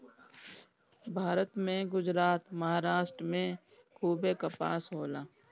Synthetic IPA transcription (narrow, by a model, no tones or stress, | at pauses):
bʱaːɾət̪mẽɡʊd͡ʒɾaːt̪mɐɦaːɾaːʃʈɾəmẽ | kʰuːbekapa̰ːsɦoːlaː